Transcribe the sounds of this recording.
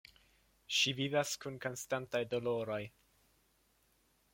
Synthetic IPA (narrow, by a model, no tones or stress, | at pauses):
ʃivivaskunko̞nstantajdo̞lo̞ɾo̞j